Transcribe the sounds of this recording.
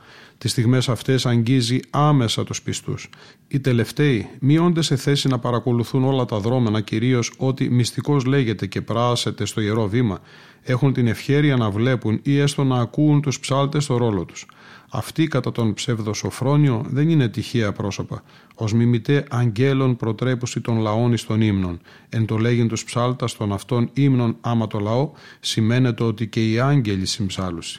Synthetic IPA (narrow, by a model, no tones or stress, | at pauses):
t̪ist̪iɣme̞sɐft̪e̞sɐɲɟiziɐme̞sɐt̪uspist̪ṵs | it̪e̞le̞ft̪e̞imio̞nd̪ese̞θe̞sinɐpɐɾɐko̞luθuno̞lɐt̪ɐðɾo̞me̞nɐciɾio̞so̞t̪imist̪iko̞zle̞ʝe̞t̪e̞ce̞pɾɐse̞t̪e̞st̪o̞ieɾo̞vimɐ | e̞xunt̪ine̞fçe̞ɾiɐnɐvle̞punie̞st̪o̞nɐːkuːnt̪uspsɐlt̪e̞st̪o̞ɾo̞lo̞t̪u̥sɐ̰ft̪ikɐt̪ɐt̪o̞npse̞vðo̞so̞fɾo̞nio̞ðe̞nine̞t̪içiɐpɾo̞so̞pɐ | o̞zmimit̪e̞ʔɐɲɟe̞lo̞npɾo̞t̪ɾe̞pusit̪o̞nlɐo̞nist̪o̞nimno̞n | e̞nt̪o̞le̞ʝint̪uspsɐlt̪ɐst̪o̞nɐft̪o̞nimno̞nɐmɐt̪o̞lɐo̞ | sime̞net̪eo̞t̪ice̞iɐɲɟe̞ʎisimbsɐlusi̥